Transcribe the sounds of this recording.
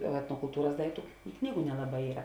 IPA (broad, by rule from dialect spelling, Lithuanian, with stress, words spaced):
ɛtnoːkʊlˠˈtuːrɐs ˈdɐɪktʊ ˈknʲiːɡʊ nʲɛlˠɐˈbɐɪ ˈiːrɐ